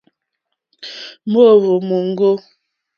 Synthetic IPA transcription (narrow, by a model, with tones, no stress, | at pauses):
mo˦˨vo˨mo˨ŋ˦ɡo˦